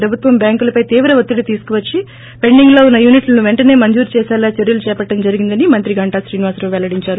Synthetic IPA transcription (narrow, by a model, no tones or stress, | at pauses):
ɾɐbʱut̪ʋɐmbjaːŋkulɐpɐjt̪iːʋɾɐʋot̪ːiɽit̪iːsu̥kuʋɐt͡ʃːi | pe̞ɳɖiŋɡlo̞ːunːɐjuːniʈlɐnuʋe̞ɳʈɐne̞ːmɐɲd͡ʒuːɾt͡ʃɛːsaːlaːt͡ʃeɾjulut͡ʃɛːpɐʈːɐmd͡ʒɐɾiɡind̪ɐnimɐnt̪ɾiɡɐɳʈaːʃɾiːniʋaːsɾoːʋɛlɐɽiɲt͡ʃaːɾu